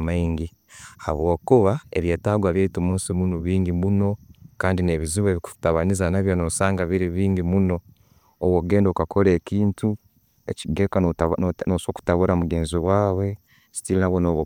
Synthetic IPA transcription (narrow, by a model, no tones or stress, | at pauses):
maiŋɡi | ha̰βwo̞ːkuβaḛβje̞ːtaɡwaβjeitomuːnsimunoβiːŋɟimuno̞kaːndine̞βiziβeβiku̥taβanizanaβjonosaːŋɡaβiɾiβiːŋɡimuno̞ | owoɡe̞ːndokakʰo̞ɾe̞ːciːntu | eciɡekanosoːku̥taβuɾʔamuɡe̞ːnziβwaːβwe̞ | si̥tilinaβonoːβo